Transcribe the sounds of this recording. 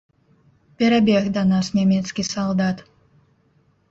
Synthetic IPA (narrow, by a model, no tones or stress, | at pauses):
pʲɛɾabʲiɛɣd̪anasnʲɛmʲiɛt̪skʲisɔlˠd̪at̪